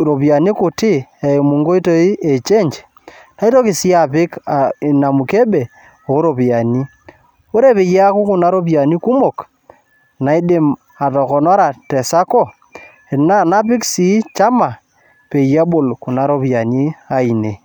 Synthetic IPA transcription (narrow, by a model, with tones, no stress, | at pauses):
ɾo˨pja˨ni˦kʊ˨tɪ˦e˨mu˨ŋɡo˦i˦to˦i˦e˨t͡ʃe˦ɲt͡ʃ | na˨˦i˦to˦ki˨si˦a˨pɪ˦ka˨na˨mu˨ke˦ɓe˨ | o˨o˦ɾo˨pi˨a˨ni˦ | o˦ɾe˦pe˨ja˦ku˦ku˨na˦ɾo˦pja˨ni˦ku˦mo˨k | na˨i˦ɗe˦m | a˨tɔ˨kɔ˨nɔ˦ɾa˨tɛ˨sa˦kɔ˦˨ | e˨na˦na˦pɪ˦ksi˨˦t͡ʃa˦ma˨ | pe˨ja˦ɓo˨lku˨na˦ɾo˦pja˨ni˦a˨i˨ne˨